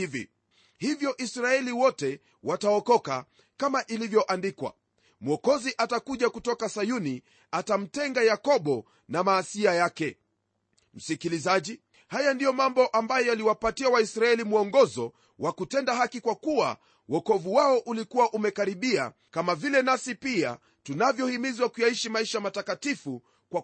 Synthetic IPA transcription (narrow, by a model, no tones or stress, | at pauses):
ivḭ | hivjɔʔisɾaɛliwɔtɛ | wataɔkɔka | kamaʔilivjɔʔandikwa̰ | muɔkɔziʔatakuʄakutɔkasajuni | atam̩tɛŋɡajakɔɓɔ | namaːsiajakɛ | m̩sikilizaʄi | hajandijɔmambɔʔambajɔjaliwapatiawaisɾaɛlimuɔŋɡɔzɔ | wʔakutɛndaɦakikwakuwa̰ | wɔkɔvuwaɔʔulikuwaʔumɛkaɾiɓia̰ | kamavilɛnasipia̰ | tunavjɔhimizwakujaiʃimaiʃamatakatifu | kwa